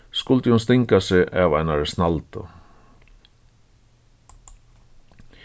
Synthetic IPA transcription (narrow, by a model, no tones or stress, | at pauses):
skʊlt̪jhʊns̬t̪ɪŋkasɪʔɛːʋajnaɹsnalt̪ʊ̰